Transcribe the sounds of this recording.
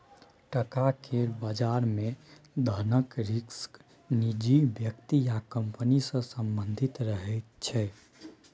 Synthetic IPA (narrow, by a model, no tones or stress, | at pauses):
ʈəkakʰebad͡ʒaɾme | d̪ʱənəkɾiksk | nid͡ʒibjəkt̪ijakəmpənisə̃səmbənd̪ʱit̪ɾəɦɛt̪̚t͡ʃʰɛ